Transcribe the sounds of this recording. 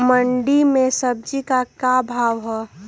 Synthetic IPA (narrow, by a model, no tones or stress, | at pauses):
məɳɖimẽsəb̚d͡ʒikakabʱaːʋɦɛ